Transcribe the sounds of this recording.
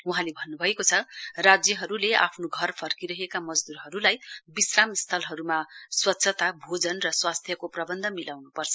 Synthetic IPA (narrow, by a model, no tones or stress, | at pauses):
uɦãlebʱʌnːubʱʌekot͡sʰʌrad͡zjʌɦʌɾulea̰pʰnoɡʱʌrpʰʌrkiɾʌɦekamʌd͡zd̪uɾɦʌɾulajbisramst̪ʰʌlɦʌɾumaswʌt̪ːsʰʌt̪abʱod͡zʌnrʌswast̪ʰjʌkoprʌbʌnd̪ʱʌmilawnupʌrt͡sʰʌ